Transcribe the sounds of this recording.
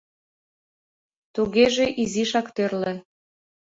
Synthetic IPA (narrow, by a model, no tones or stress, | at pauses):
t̪uɣeʒeʔiziʃɑkt̪ørlĕ